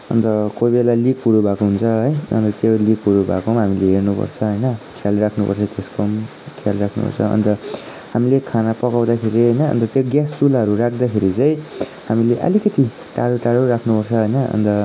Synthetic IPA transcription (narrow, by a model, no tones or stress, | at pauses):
ʌ̰nt̪ʌkobelalikɦuɾubʱakoɦunt͡sʰʌɦʌjʌ̰nt̪ʌt̪jolikɦuɾubʱakomɦamileɦernupʌ̰rt͡sʰʌɦʌjnʌkʰalrakʰnupʌ̰rt͡sʰʌt̪eskom | kʰalrakʰnṵpʌ̰rt͡sʰʌ̰ʌ̰nt̪ʌ | hamilekʰanapʌkawd̪akʰeɾiɦʌjnʌ̰ːnt̪ʌt̪joɡjast͡sulaɦʌɾurakʰd̪akʰeɾit͡sãĩɦamileʔʌ̰likʌt̪i | ʈaɽoʈaɽoɾakʰnupʌrt͡sʰʌɦʌjnʌʌ̰nt̪ʌ